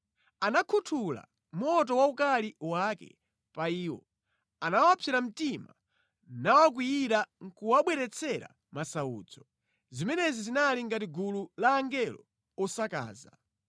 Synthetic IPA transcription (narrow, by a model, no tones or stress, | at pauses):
anakʰutʰula̰ | m̩ɔt̬ɔwaukaliwakɛ̰ | paiːwɔ̰ | anawapʰɛɾam̩tima | nawak̬wijiɾaŋkuwaɓwɛɾɛt͡sʰɛɾa̰ | masaṵːd͡zɔ | zimɛnɛzizinaliŋɡatiɡululaːŋɡɛlɔ | ɔsaka̰ːza